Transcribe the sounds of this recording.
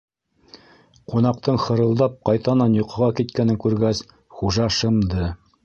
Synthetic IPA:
qun̪ɑq̚t̪ɤɴχɤ̆ɾɤ̆lˠd̪ɑp̚qɑjt̪ɑnɑnjŏqɤ̆ʁɑkit̪kænɘŋkʉɾɡæs | χuʒɑʃɤ̆md̪ɤ

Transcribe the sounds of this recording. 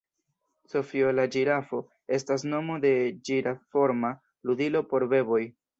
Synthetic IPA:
so̞fio̞lad͡ʒiɾafo̞ | e̞stas̬no̞mode̞d͡ʒiɾafo̞ɾma | ludilo̞po̞ɾbe̞bo̞j

